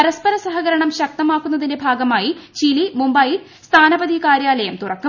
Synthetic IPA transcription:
ɐɾɐspɐɾɐsɐɦɐɣɐɾɐɳɐmɕɐk̚t̪ɐmaːkːunːɐðinde̞bʱaːɡɐmaːjit͡ɕilimumbɐjil | st̪ʰaːnɐbɐd̪ikaːɾjaːlɐjɐmt̪urɐkːu

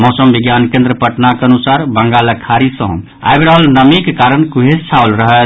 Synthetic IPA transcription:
mɔsəmbiɡjankẽnd̪ɾəpəʈnakənusaɾbəŋɡaləkʰaɾisə̃ɦṵ̃m | a̰jbɾaɦəlnəmikkaɾənkuɦest͡ʃʰaolɾəɦə

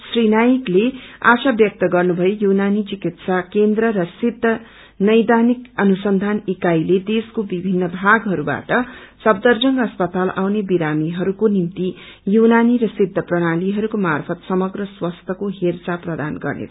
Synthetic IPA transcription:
srinajiklea̰sabjʌk̚t̪ʌɡʌrnubʱʌjejunanit͡sikit̪sakend̪rʌɾʌsid̪ʱːʌ | nʌjd̪anikʌnusʌnd̪ʱanikajled̪eskobibʱinːʌbʱaɡɦʌɾuba̰ʈʌsʌbd̪ʌrd͡zʌŋɡʌspʌt̪ala̰wnebiɾamiɦʌɾukonimt̪i | junaniɾʌsid̪ʱːʌprʌɽ̃aliɦʌɾukomarpʰʌt̪sʌmʌɡrʌswʌst̪ʰʌkoɦert͡saprʌd̪anɡʌ̰rnḛt̪

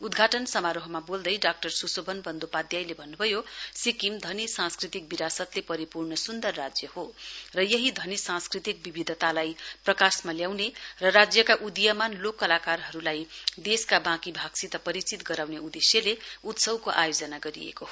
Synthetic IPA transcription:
ud̪ɡʱaʈʌnsʌmaɾoɦʌmabold̪ʌjɖak̚ʈʌrsusobʱʌnbʌnd̪opad̪jajlebʱʌnːubʱʌjosikimd̪ʱʌnisãnskrit̪ik̚biɾasʌt̪lepʌɾipurnʌsund̪ʌrːad͡zjʌhorʌjʌɦid̪ʱʌnisãnskrit̪ik̚bibid̪ʱʌt̪alajprʌkasmaljawnerʌrad͡zjʌkaʔud̪ijamanlokːʌlakarɦʌɾulajd̪eskabãkibʱaɡsit̪ʌpʌɾit͡sit̪ɡʌɾawneud̪esjʌleut̪sʌwkoʔajod͡zʌnaɡʌɾḭḛkoɦo

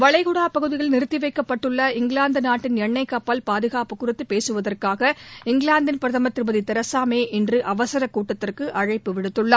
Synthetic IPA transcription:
ʋɐɭɐɪɣʊɽaːpɐɣɯðɪɣɐɭnɪɾɯt̪ːɪʋɐɪkːɐpːɐʈːɯɭːɐɪŋɡɭaːnd̪ɯnaːʈːɪnjɛɳːɐɪkːɐpːɐlpaːðɯɣaːpɯkːʊrɯt̪ːɯpeːsɯʋɐðɐrkaːɣɐɪŋɡɭaːnd̪ɪnpɪɾɐðɐmɐt̪ːɪɾɯbɐðit̪ɛɾɐsaːmeːʔɛndrɯʔɐʋɐsɐɾɐkːuːʈːɐt̪ːɪrkɯʔɐɻɐɪpːɯʋɪɽɯt̪ːɯɭːɐ

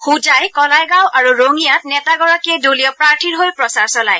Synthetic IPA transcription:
xud͡ʒajkɔlajɡawʔaɹuɹoŋijatnɛtaɡɔɹakiɛduliɔpɹaɹtʰiɹɦojpɹɔsaɹsɔlaj

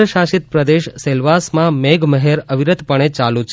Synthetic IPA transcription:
əʃaʃit̪̚pɾəd̪eʃselʋasmãmeɡməɦeɾəʋiɾəd̪pəɽ̃et͡ʃalũt͡ʃʰ

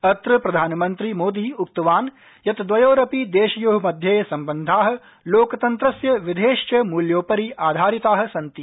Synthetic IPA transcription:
ɐt̪ɾɐpɾɐd̪ʱaːnɐmɐnt̪ɾimoːd̪iːuk̚t̪ɐʋaːn | jɐt̪d̪ʋɐjoːɾɐpid̪eːʃɐjuɦɐmɐd̪ʱjɐjɐsɐmbɐnd̪ʱaːɦɐ̆ | loːkɐt̪ɐnt̪ɾɐsjɐʋid̪ʱeːʃt͡ʃɐmuːljoːpɐɾiʔaːd̪ʱaːɾit̪aːɦɐ̆sɐnt̪i

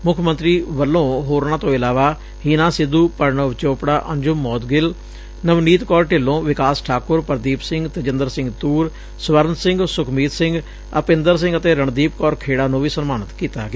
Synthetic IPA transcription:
mʊkʰmə̃nt̪ɾiːʋəlːõːɦoːɾnãːt̪õːɪlaːʋaː | hiːnãːsɪd̪uːpəɾɳəʋt͡ʃoːpɽaːʔəɲd͡ʒʊmːɔːt̪ɡɪl | nəʋniːt̪kɔːɾʈɪlõːʋɪkaːsʈʰaːkʊɾpəɾd̪iːpsɪŋɡt̪əd͡ʒənd̪əɾsɪ̃ŋɡt̪uːɾ | sʋəɾənsɪŋɡsʊkʰmiːt̪sɪ̃ŋɡ | əpɪ̃nd̪əɾs̬ɪ̃ŋɡət̪eːɾəɳd̪iːpkɔːɾkʰeːɽaːnõːʋiːsənmaːnət̪kiːt̪aːɡeː

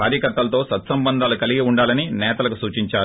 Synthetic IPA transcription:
kaːɾjɐkɐɾt̪ːɐlɐt̪o̞ːsɐt̪sɐmbɐnd̪ʱaːlukɐliɡiuɳɖaːlɐninɛːt̪ɐlɐkusuːt͡ʃiɲt͡ʃaːɾ

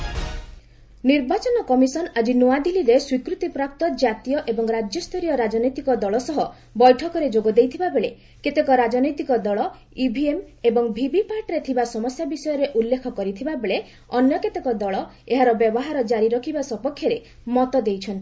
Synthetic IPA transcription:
niɾbat͡ʃɔnɔkɔmisɔnad͡ʒinuad̪iliɾeswikɾut̪ipɾap̚t̪ɔd͡ʒat̪ijɔʔebɔŋɾad͡ʒjɔst̪ʰɔɾijɔɾad͡ʒɔnɔjt̪ikɔd̪ɔɭɔsɔɦɔ | bɔjʈʰɔkɔɾed͡ʒoɡɔd̪ejt̪ʰibabeɭe | ket̪ekɔɾad͡ʒɔnɔjt̪ikɔd̪ɔɭɔ | ibʱiem | ebɔŋbʱibipaɾʈɾet̪ʰibasɔmɔsjabisɔjɔɾeʔulːekʰɔkɔɾit̪ʰibabeɭe | ɔnjɔket̪ekɔd̪ɔɭɔeɦaɾɔbjɔbɔɦaɾɔd͡ʒaɾiɾɔkʰibasɔpɔkʰːjɔɾe | mɔt̪ɔd̪ejt͡ʃʰɔnt̪i̥

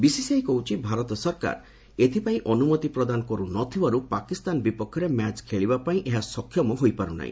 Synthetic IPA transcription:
bisisejkɔɦut͡ʃʰibʱaɾɔt̪ɔsɔɾka̰ɾ | et̪ʰipaĩʔɔnumɔt̪ipɾɔd̪anɔkɔɾunɔt̪ʰibaɾupakist̪anbipɔkʰːɔɾemat͡ʃkʰeɭibapaĩʔeɦasɔkʰːjɔmɔɦojpaɾuna̰ḭ̃

